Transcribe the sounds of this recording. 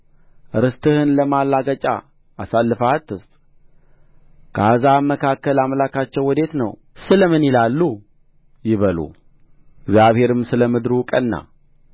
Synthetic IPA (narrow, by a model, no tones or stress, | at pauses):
ʔɨɾɨst̪ʰɨhɨnləmalːaɡət͡ʃʼa̰ː | salːɨfat̪ːɨst̪ʼ | kʰazamːəkʰakːəlamlakʰat͡ʃːɛwːɔd̪e̞t̪nə̰w | sɨləmɨnjɪlalːu | jɪβəlṵ | ɪɡzjaβhe̞ɾɨmsɨləmɨd̪ɾukʼənːa̰